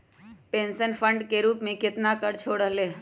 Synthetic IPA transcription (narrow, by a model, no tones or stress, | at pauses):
pẽːnsənpʰəɳɖkeɾuːpmẽkɪt̪nakəɾt͡ʃʰoːɽəɦleː